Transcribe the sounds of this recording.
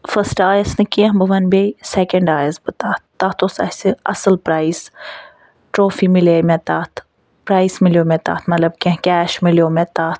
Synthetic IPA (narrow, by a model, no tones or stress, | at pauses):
fəsʈaːjəsnekiãbəʋɐnbeːisɛkəɳɖaːjəzbət̪aːt̪ːaːt̪osɐ̰seɐ̰səlpɾaːis | ʈɾoːfimɪleːmet̪aːt̪ʰ | pɾaːismɪljoːmet̪a̰ːt̪ʰmɐt̪ləb̚kẽɦkʲɛːʃmɪljoːmet̪aːt̪